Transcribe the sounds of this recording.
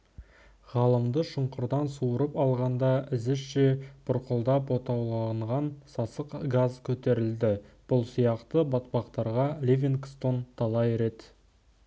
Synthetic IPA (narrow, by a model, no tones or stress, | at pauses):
ʁɑlˠəmd̪əʃʊɴqəɾd̪ɑnsuəɾəpɑlˠʁɑnd̪ɑʔɪzɪʃʃebʰʊɾqʊlˠd̪ɑpwo̞t̪ɑwlˠɑɴʁɑnsɑsəqɡazkʲʰɵt̪e̞ɾɪld̪ɪb̥ʊlˠsijɑqt̪əbɑt̪̚pɑqt̪ɑɾʁɑlʲevʲinɡst̪o̞nt̪ʰɑlˠɑjɾe̞t̪